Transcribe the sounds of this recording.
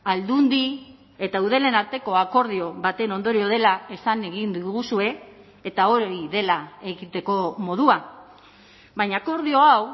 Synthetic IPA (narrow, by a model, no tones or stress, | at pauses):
ald̪und̪i | e̞t̪auð̞ele̞naɾt̪e̞ko̞ako̞ɾð̞io̞βat̪e̞no̞nd̪o̞ɾio̞ð̞e̞lae̞saneɣind̪uɣusue̞ː | t̪ao̞ɾiðe̞lae̞ɣit̪e̞ko̞mo̞ð̞ua | βajɲako̞ɾðio̞aw